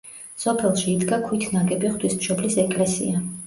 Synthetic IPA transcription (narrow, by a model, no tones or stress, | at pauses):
sɔpʰɛlˠʃiːd̪ɡakʰwit̪ʰnaɡɛbiχt̪ʰwismʃɔblisɛkʼlɛsḭa